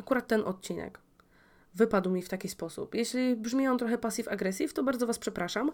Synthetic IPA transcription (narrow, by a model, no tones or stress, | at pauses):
akuɾat̪ːɛnʔɔ̰t̪̚t͡ɕinɛ̰k | vɘpad̪wmʲift̪akʲispɔsṵpjeɕlʲibʐmʲɛjɔ̃t̪ɾɔxɛpasʲifaɡɾɛsʲift̪ɔbaɾd̪zɔvaspʂɛpɾaʂam